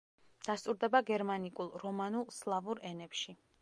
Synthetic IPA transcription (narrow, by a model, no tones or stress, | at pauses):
d̪̥ast̪ʼuɾd̪ɛbaɡɛɾmanikʼulˠɾɔmanulˠslˠavuɾɛnɛpʃi